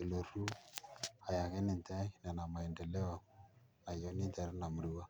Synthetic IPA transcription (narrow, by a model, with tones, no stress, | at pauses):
e˨lo˨ɾu˦ | a˨ja˨ɣe˦ni˨nta˦na˨na˨ma˨e˨nde˨le˦a˨ | na˨jo˦ni˦nta˨ɾe˦na˨mu˨ɾi˦wa˦